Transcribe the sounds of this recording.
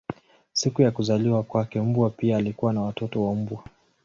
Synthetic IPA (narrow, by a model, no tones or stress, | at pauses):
sikujakuzaliwakwakɛm̩bwapiaːlikuwanawatɔtɔwam̩bwa